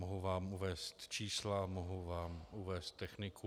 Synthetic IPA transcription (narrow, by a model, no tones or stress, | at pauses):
moɦuvaːmuvɛːst̪t͡ʃiːslamoɦuvaːmʔuvɛːst̪̚t̪ːɛxnɪkʰu